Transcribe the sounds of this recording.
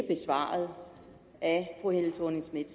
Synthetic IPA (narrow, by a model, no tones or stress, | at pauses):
əb̥e̝sʋɑ̰̈ːð̩ˠ | ʔæfʁuhen̰t͡sʰoneŋsmid̥